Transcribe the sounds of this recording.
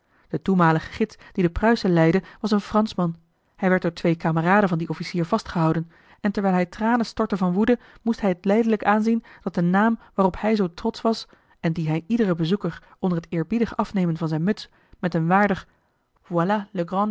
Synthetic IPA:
d̥ətumaːləχə̥χɪtsd̥idəprœɥsəlɛjdəʋɑsənfrɑnsmɑn | hɛjʋɛɹt̚dʊːɹtʋejkaːməraːdənvɑndiʔɔfisiːɹv̥ɑstχəɦɑwdən | ɛntɛɹʋɛjlˠɦɛjtraːnənstɔɹtəvɑnʋudə | mustɦɛjɦətlɛjdələkaːnzind̥ɑt̚dənaːmʋaːrɔphɛjzowtrɔtsʋɑs | ɛndiɦɛjʔidərəbəzukəɹʔɔndəɹɦətɪːɹbidəχəʔɑfnejmənvɑnzɛjnmɵts | mɛtənʋaːɹdəχ | vwalaləɡrɑ̃

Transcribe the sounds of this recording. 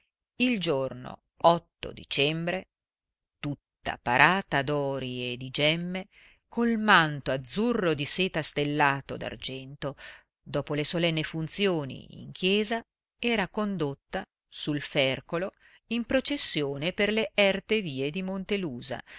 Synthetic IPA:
ild͡ʒorno̰ | ɔt̪ːo̰d̪it͡ʃɛmbɾe | t̪ut̪ːa̰paɾʔaːt̪ad̪ɔːɾied̪id͡ʒɛmːe | kolmant̪oad̪zːurːod̪iseːt̪ast̪elːaːt̪od̪a̰rd͡ʒɛnt̪o | d̪ɔːpolesolɛnːefunt̪sjoːnḭḭŋk̟ʰjɛːza | ɛːɾakond̪ot̪ːa | sulfɛrkolo | impɾot͡ʃesːjoːneperleʔɛrt̪eviːed̪imont̪eluːza̰

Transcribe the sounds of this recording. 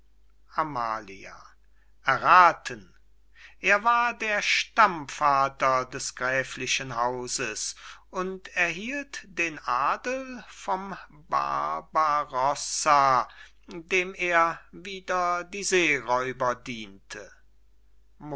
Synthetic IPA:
ʔama̰ːlia̰ | ʔɛɐʁaːtʰən | ʔeːɐvaːɐdeːɐʃtamfaːtɐdɛsɡ̥ʁɛːflɪʃənɦaʊzəsʊntɛɐɦiːltd̥eːnʔaːdəl̩fɔm | ba̰baʁɔsa | deːmeːɐviːdɐdiːzeːʁɔʏbɐdiːntʰə

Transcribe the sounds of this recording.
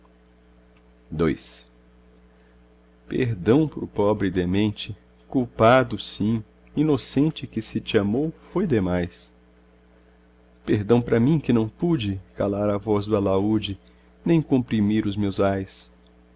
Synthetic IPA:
d̪ojs | pḛɾd̪ɐ̃w̃pɾʊpɔbɾɪd̪emẽnt͡ʃɪ | kuwpad̪ʊsĩ | inosẽnt͡ʃɪkɪsɪt͡ʃɪamowfojd̪emajs | peɾd̪ɐ̃w̃pɾɐmĩkɪnɐ̃w̃pud͡ʒɪkalaɾɐvɔzd̪ɐlaud͡ʒɪ | nẽj̃kõmpɾimiɾʊzmewzajs

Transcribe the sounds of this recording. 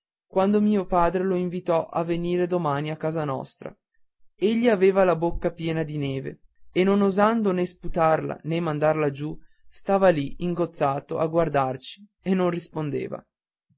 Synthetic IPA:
kwand̪omiːopaːd̪ɾeloiɱvit̪ɔʔa̰vːeniːɾed̪omaːniakːaːzanɔ̰st̪ɾa̰ | eʎːiaveːvalabokːapjɛːnad̪ineːvḛ | enːonozand̪onesput̪arla̰nemːand̪arlad͡ʒu | st̪aːvaliiŋɡot̪sːaːt̪oʔaɡward̪art͡ʃi̥ | enːonrispond̪ḛːva̰

